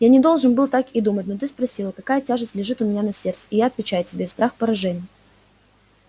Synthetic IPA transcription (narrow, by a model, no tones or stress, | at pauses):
janʲɪd̪o̞lˠʐɨnbɨlˠt̪akɪd̪umətʲnot̪̬ɨspɾɐsʲilˠəkɐkajətʲaʐɨsʲtʲlʲɪʐɨt̪ʊmʲɪnʲanɐsʲe̞rt̪sə̥ɪjaɐt̪vʲɪt͡ɕæjʊtʲɪbʲe̞st̪ɾaxpəɾɐʐɛnʲɪjə